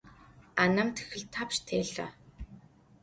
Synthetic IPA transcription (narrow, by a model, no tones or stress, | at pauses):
anaːmt̪ʰe̥xɘ̆ɮt̪ʰːapʃt̪ʰeːɮa̰ː